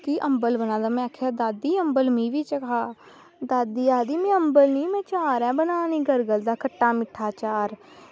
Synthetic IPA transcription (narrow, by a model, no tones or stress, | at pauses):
kiʔəmbəlbənãːd̪aːmɛ̃ːkʰaːd̪aːd̪iːəmbəlmĩːʋiːt͡ʃəkʰaː | d̪aːd̪iːaːd̪iːmɛ̃ːəmbəlnĩːmɛ̃ːt͡ʃaːɾɛ̃ːbənaːnĩːɡəɾɡəld̪aːkʰəʈːaːmɪʈʰːaːt͡ʃaːɾ